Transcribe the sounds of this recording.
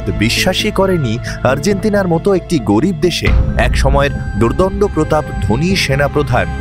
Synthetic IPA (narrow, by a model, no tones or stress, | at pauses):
t̪biʃːaʃikɔɾeni | aɾd͡ʑent̪inaɾmɔt̪oek̚ʈiɡoɾib̚d̪eʃḛɛkʃɔmɔeɾd̪uɾd̪ɔɳɖopɾot̪abd̪ʱoniʃenapɾod̪ʱan